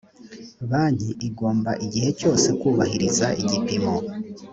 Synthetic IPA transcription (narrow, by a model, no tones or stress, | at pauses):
βaːɲ̥iʔiɡo̞ːmba̰ʔiɟihe̞co̞ːse̞kuːβahiɾizaʔiɟipimo̞